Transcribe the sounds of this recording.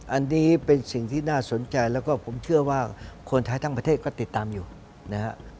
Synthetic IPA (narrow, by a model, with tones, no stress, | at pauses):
ʔa˧nːiː˦˥pe˧nsi˨˩ŋt̪ʰiː˥˩naː˥˩so˨˩˦nt͡ɕa˧jlɛː˦˥wkɔː˥˩pʰo˨˩˦mt͡ɕʰɯ˥˩ɐwaː˥˩kʰo˧nt̪ʰaː˦˥t̪ʰa˧˥˩ŋpɾt̪ʰeː˥˩kɔː˥˩t̪i˨˩t̪ːaː˧mjuː˨˩ | na˦˥kʰa˦˧˥ʔ